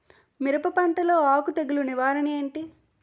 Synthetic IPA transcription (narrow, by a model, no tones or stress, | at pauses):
miɾɐpɐpɐɳʈ̪ɐlo̞ːaːkut̪eɡiluniʋaːɾɐnieːɳʈi